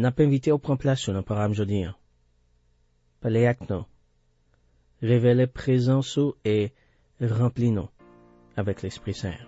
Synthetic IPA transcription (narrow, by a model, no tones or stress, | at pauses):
napaɛ̃vit̪eopχɑ̃plasud̪ɑ̃pɔɡamʒod̪iɛ̃ | paleakno | ʁevelepχezɑ̃sue | ʁɑ̃plinɔ̰̃ | avɛklɛspχisɛ̰̃